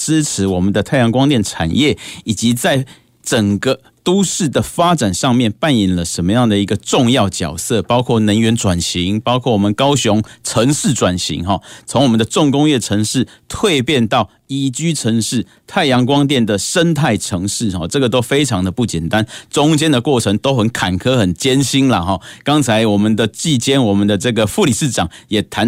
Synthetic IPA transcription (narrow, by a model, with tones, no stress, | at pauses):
ʈ͡ʂɻ̩˥ʈ͡ʂʰɻ̩˧˥wɔ˨˩mə˨nd̪ə˩˧t̪ʰa˥˩ɪjɑ˧˥ŋkwɑ˥ŋt̪jɛ˥˨nʈ͡ʂʰa̰˨˩njɛ˥˩i˨˩t͡ɕi˧˥t͡sa˥˩ɪ | ʈ͡ʂə˨˩ŋɡə˧ | t̪u˥ʂɻ̩˥˩d̪ə˩fa˥t͡sa˨˩nʂɑ˥˧ŋmjɛ˥˨npa˥˩ni˨˩nlə˦ʂə˧˦nmə˧jɑ˥˩ŋd̪ə˩i˧˥ɡə˧ʈ͡ʂʊ˥˧ŋjɑ˥˩ʊt͡ɕjɑ̰˨˩ʊsɤ˥˨pɑ˥ʊkʰwɔ˥˩nə˧˥nɥɛ˧˥nʈ͡ʂwa˨˩nɕi˧˥ŋpɑ˥ʊkʰwɔ˥˩wɔ˨˩mə˨nkɑ˥ʊɕʊ˧˦ŋʈ͡ʂʰɤ˧˦˥ŋʂɻ̩˥˨ʈ͡ʂwa˨˩nɕḭ˧˥ŋɦɔ˨˩t͡sʰʊ˧˥ŋwɔ˨˩mə˨nd̪ə˧ʈ͡ʂʊ˥˨ŋkʊ˥ŋjɛ˥˩ʈ͡ʂʰɤ˧˥ŋʂɻ̩˥˩t̪ʰwe˥˧ɪpjɛ˥˧nt̪ɑ˥˩ʊ | i˨˩t͡ɕy˥ʈ͡ʂʰə˧˥ŋʂɻ̩˥˩ | t̪ʰa˥˩ɪjɑ˧˥ŋkwɑ˥ŋt̪̬jɛ˥˨˩nd̪ə˩ʂə˥nt̪ʰa˥˩ɪʈ͡ʂʰɤ˧˥ŋʂɻ̩˥˩xɔ̰˥˩ʈ͡ʂɤ˥˩ɡə˩t̪o˥ʊfe˥ɪʈ͡ʂʰɑ˧˥ŋd̪ə˨pu˥˩t͡ɕjɛ˨˩nt̪a˦nʈ͡ʂʊ˥ŋt͡ɕjɛ˦˥nd̪ə˨kwɔ˥˩ʈ͡ʂʰə˧˥ŋt̪o˥ʊxə˨˦nkʰa˨˩nkʰɤ˦xə˨˩nt͡ɕjɛ˥nɕi˥nlə˨xɔ˥˩kɑ˥ŋt͡sʰa˧˥ɪwɔ˨˩mə˨˦nd̪ə˨t͡ɕi˥˩t͡ɕjɛ˥nwɔ˨˩mə˨˦nd̪ə˩ʈ͡ʂə˥˩ɡə˩fu˥˨li˨˩ʂɻ̩˥˩ʈ͡ʂɑ˨˩˦ŋjɛ˨˩t̪ʰa˧˦n